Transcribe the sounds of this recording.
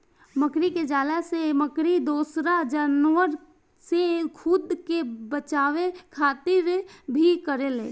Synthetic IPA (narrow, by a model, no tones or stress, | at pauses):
məkɾiked͡ʒaːlaseməkɾid̪oːsɾad͡ʒənwəɾ | sekʰʊd̪kebət͡ʃaːʋekʰaːt̪ɪɾbʱikəɾelḛː